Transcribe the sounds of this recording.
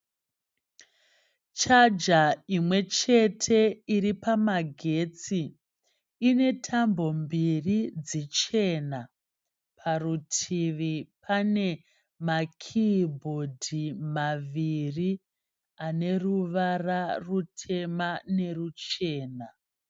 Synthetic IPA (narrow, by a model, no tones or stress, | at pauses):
t͡ʃad͡ʒaimwe̞t͡ʃe̞tʰe̞iɾipamaɡʱe̞t͡siː | ne̞tʰambo̞mbirid͡zit͡ʃe̞na | pʰarutʰiʋipʰane̞ | makʰibʱo̞dʱimaʋiri | ane̞ruʋararutʰe̞mane̞rut͡ʃe̞ːna